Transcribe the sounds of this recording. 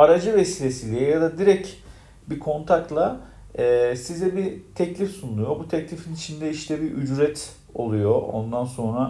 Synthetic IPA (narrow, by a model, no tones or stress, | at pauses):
aɾad͡ʒɯvesiːlʲesilʲɛjad̪ad̪iɾɛc | bikʰo̞nt̪ʰak̚t̪lˠa | ɛːsizɛbit̪ʰɛclʲifsunulˠujo̞but̪ʰɛclʲifinit͡ʃʰind̪ɛiʃt̪ʰɛbiʔyd͡ʒɾɛt̪ | o̞lˠujo̞o̞̰nd̪anso̞nɾa